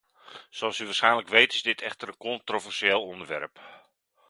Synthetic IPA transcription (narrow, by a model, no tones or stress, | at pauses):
soɑlˠsyʋaːrsχɛjnləkʋejtɪzdɪtʰɛxtərənkɔntrovɛrseːlˠɔndərʋɛ̰rp